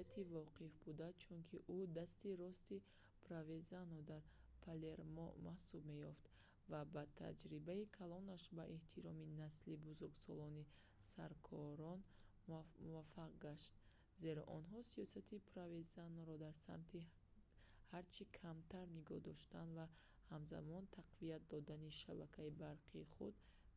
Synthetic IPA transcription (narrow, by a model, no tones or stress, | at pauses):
t̪ʰivɔqʰifbud̪at͡ʃʰunkʰiʔud̪ast̪iɾɔst̪i | pʰɾavezanɔd̪aɾpʰale̞ɾmɔ̰mahsub̚me̞jɔft̪ | vabat̪ʰa̰d͡ʒɾibaikʰalɔnaʃbaʔeht̪ʰiɾɔminaslibuzuɾɡsɔlɔni | saɾkʰɔɾɔn | muvafːaqɡaʃt̪̚ | ze̞ɾɔ̰ʔɔnɦɔsiɔsat̪ʰipʰɾavezanɾɔd̪aɾsa̰mt̪ʰi | haɾt͡ʃʰikʰamt̪ʰaɾniɡɔ̰hd̪ɔʃt̪anva | hamza̰mɔnt̪ʰaqviat̪̚d̪ɔd̪aniʃabakʰaibaɾqʰiːχud̪